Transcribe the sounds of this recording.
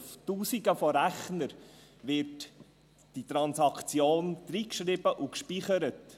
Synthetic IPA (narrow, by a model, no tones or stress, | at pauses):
ftuːsiɡəfɔɾæχnəɾvɪt | d̥it̪ɾɑnsɑkt͡sjoːnd̥ɾiːkʃɾɪb̥əʔukʃpiːχəɾət